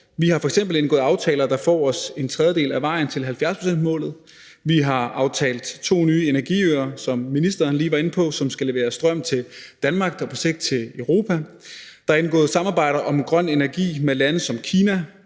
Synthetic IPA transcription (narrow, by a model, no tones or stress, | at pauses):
ʋihɑ̈fɒ̽eɡ̥semb̥l̩enɡɔ̰ːð̩ˠɑ̈ʊt͡sʰɛ̰ːlɐd̥ɑ̈fɒ̰ːɒ̽se̝nt͡sʰʁɛð̞ˠjəde̝̰ːlæʋɑ̈ɪ̰n̩t͡sʰe̝lɦælfjæɐspʰosen̰d̥mɔ̰̽ːlð̩ˠ | ʋiɦɑ̈ɑ̈ʊt͡sʰɛ̰ːld̥t͡sʰo̝̰ːnyːe̝næɐɡ̥ḭøːɐsɒ̽mːinisd̥ɐːnliːʋɑ̈e̝n̩pʰɒ̽sɒ̽msɡ̥æle̝ʋe̝ːɐsd̥ʁɶm̰t͡sʰe̝d̥ænmɑ̈ːɡ̥d̥ɒpʰɒ̽se̝ɡ̥d̥̚t͡sʰe̝løʊʁo̝ːpʰæ | d̥ɑ̈e̝nɡ̥ɔ̰̽ːð̩ˠsɑ̈mɑ̈ːb̥ɑ̈ɪ̰ɾ̥ɐʔɒ̽menɡ̥ʁɶn̰e̝næɐɡ̥ḭːmelænð̩ˠsɒ̽mkʰiːnæ